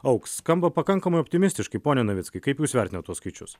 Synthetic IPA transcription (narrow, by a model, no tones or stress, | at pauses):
ɐʊksskɐmbɐpɐkɐŋkɐmɐɪɔpʲt̪ʲɪmʲɪsʲt̪ʲɪʃkɐɪpoːnʲɛnɐʋʲɪt̪skɐɪkɐɪpjuːsʋʲɛɾʲt̪ʲɪnɐt̪ːɔsskɐɪt͡ʃʲʊ̰s